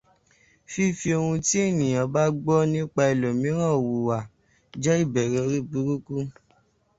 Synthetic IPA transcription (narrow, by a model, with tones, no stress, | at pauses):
fi˦fi˧o˧ũ˧ti˦e˦˨nĩ˨j̃ã˨ba˦ɡ͡bɔ˦nĩ˦k͡pa˧i˨lo˨mĩ˨˦ɾ̃ã˦˨o˨wu˨wa˨ | d͡ʒɛ˦i˦˨bɛ˨ɾɛ˨˦ɾi˦˨bu˨˦ɾu˦ku˦